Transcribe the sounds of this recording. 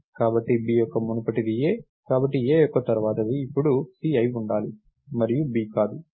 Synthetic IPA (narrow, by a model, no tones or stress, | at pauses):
kaːbɐʈːibiːjɔkːɐmunɐpɐʈid̪ijeː | kaːbɐʈːieːjɔkːɐt̪ɐɾuʋaːt̪ɐd̪iːpːuɽusiːɐjuɳɖaːli | mɐɾijubiːkaːd̪u